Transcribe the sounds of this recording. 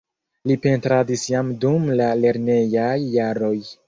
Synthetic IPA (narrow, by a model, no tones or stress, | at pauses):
lipe̞ntɾadisjamdumlale̞ɾne̞jajːaɾo̞j